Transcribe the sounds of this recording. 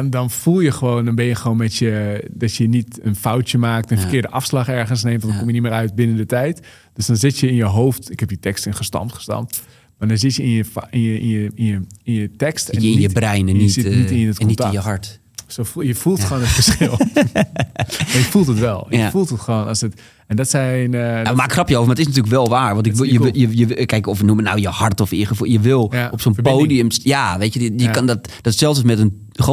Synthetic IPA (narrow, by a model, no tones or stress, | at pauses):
ndɔnfulˠjəxəʋoːndɔnbɪjəxəʋoːnmɛtjədɔtjənitənfawtjəmaːk̚tənfərkɪːdəʔafslɑχɛɹɣəns̬neːmtʋɔndɔnkomjənimɪːɾœɥt̚bɪnəndətɛjt | d̥øsdɔnzɪtjəɪnjəɦowftɪkhɛp̚ditɛkstɪnχəstɑ̰mtχə̥stɑ̰mt | madɔnzɪtjəɪnjəfɪnjəinjəinjəinjətɛkstɛnniəbrɛjnəsɪnitɪnnətknɔitajəhaɹt | sojəfulˠχoːnətfəɹsxɪlˠ | majəfulˠtətʋɛlˠjafulˠtətχoːnɔsət | ɛndɔtsɛnamakχrɑpjəowəmadətɪs̬nat̬yːləkʋɛlˠʋaːɹʋɑ̃ntɪkjəjəjəkɛjkɔfənumənawjəhaɹtɔfiχəfujəʋɪlˠɔpsonpoːdiəmsjaʋeːtjəjəkndɔtd̥ɔtsɛlˠsəsmɛtən | χ